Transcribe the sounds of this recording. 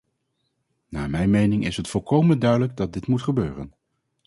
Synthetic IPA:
na̰ːmɛjnmejnɪŋɪsɦətfɔlˠkowməndœɥdələɡ̚dɑt̚dɪtmutχəbøːrə̰n

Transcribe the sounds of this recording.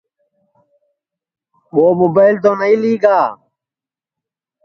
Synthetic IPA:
ɓoːmobəɪlt̪̬õːnəiːliːɡaː

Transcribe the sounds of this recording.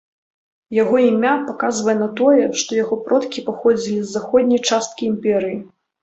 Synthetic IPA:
jaɣɔimʲapakazvɐjɛnat̪ɔjɛʂt̪ɔjaɣɔpɾɔt̪kʲipaxɔd͡zʲilʲizːaxɔd̪ʲnʲɐjt͡ʂast̪̚kʲiimpʲɛɾɨji

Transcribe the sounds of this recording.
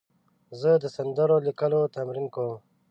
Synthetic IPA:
zəd̪əsɐnd̪əɾolikəlot̪amɾinkom

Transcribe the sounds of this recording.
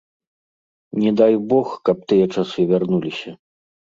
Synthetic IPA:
nʲɛd̪ajbɔxkɐp̚t̪ɨjɐt͡ʂasɨvʲarnulʲisʲɐ

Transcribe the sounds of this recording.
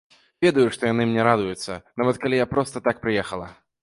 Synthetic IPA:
vʲɛd̪ɐjuʂt̪ɔjanɨmnʲɛɾad̪ujut̪sːɐ̰navɐt̪kalʲijapɾɔst̪ɐt̪ak̚pɾɨjɛxɐlˠɐ̰

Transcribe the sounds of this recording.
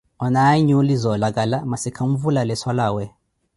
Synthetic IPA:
ɔnajɲulizɔlak̬ʼalamasikʰam̩vulalɛswalaːwɛ

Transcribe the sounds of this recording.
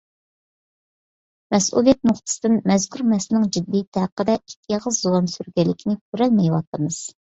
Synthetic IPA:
mɛsṵlˠijɛt̪̚mʊχt̪ʰɨ̥sɨd̪ɪnmɛzkʲʰyɾmɛsɪnɪŋd͡ʒid̪ːit̪ʰæqːəd̪ɛik̚ʲʰjɑʁəzzowɑmsyɾɡʲɛlːɪkʲʰinɪkʲʰyɾɛlmɛjwɑ̰t̪əmɨz̥

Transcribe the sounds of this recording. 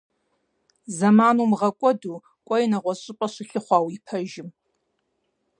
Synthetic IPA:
zɐmaːnuːmʁɐkʷʼɔduː | kʷʼɔjɪnɐʁʷɔɕʼɨpʼɐɕʷɪɬɨχʷɑːwipʰɐʒɪm

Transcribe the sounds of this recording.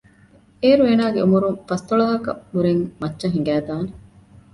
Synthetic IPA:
eːɾueːnaːɡeumuɾuŋfɐst̪oɭɐɦɐkɐ̰huɾeŋmɐtːʃɐɦiŋ̆ɡæːd̪aːne

